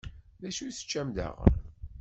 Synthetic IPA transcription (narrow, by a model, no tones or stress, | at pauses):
ðæʃuθə̥t͡ʃːæmd̪ə̰ʁə̰ɾ